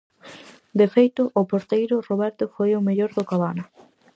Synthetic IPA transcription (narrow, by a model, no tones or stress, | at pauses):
d̪efejt̪ʊʔːpoɾt̪ejɾʊroβɛɾt̪ʊfojomeʎoɾðʊkaβanɐ